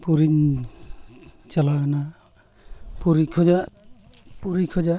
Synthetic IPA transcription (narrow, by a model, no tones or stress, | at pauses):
puɾin | t͡ʃalana | puɾikʰɔd͡ʒa | puɾikʰɔd͡ʒa